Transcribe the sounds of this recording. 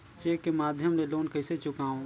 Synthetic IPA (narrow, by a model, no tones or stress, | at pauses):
t͡ʃeːkːemaːd̪ʱjəmleloːnkəɪset͡ʃʊkãːõ